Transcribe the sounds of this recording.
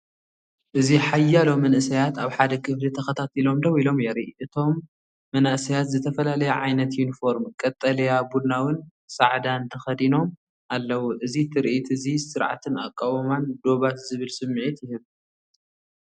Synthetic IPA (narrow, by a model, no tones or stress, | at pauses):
ʔɨziħajːalo̞mːɐnʔɨsɐjat̪aβħad̪ɐkʰɨflit̪ʰɐxɐt̪ʰat̪ʰilomd̪ɐβilo̞mjɛɾiʔʔɨt̪ʰo̞mː | ɐnsɐjat̪zɨt̪ʰɐfɐlalɐjɛʕajnɐt̪junifo̞ɾmkʼɐt̪ʼːɐlɐjabud̪nawɨn | sa̰ʕd̪ant̪ʰɐxɐd̪ino̞m | alːɐwuʔɨzit̪ʰɨɾʔt̪ʰɨzisɨɾʕa̰t̪ʰɨna̰kʼːawɐmand̪o̞βat̪zɨβɨlsɨmːiʕit̪jɪhɨβ